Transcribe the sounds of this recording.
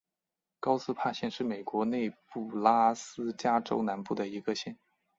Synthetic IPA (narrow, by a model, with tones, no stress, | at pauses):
kɑ˥ʊsɹ̩˥pʰa˥˧ɕjɛ˥˧nʂɻ̩˥˩me˨˩ɪkwɔ˧˥ne˥˧ɪpu˥˩la˥sɹ̩˥t͡ɕja˥ʈ͡ʂo˥ʊna˧˥npu˥˩d̪ə˩i˧˥ɡə˧ɕjɛ˥˩n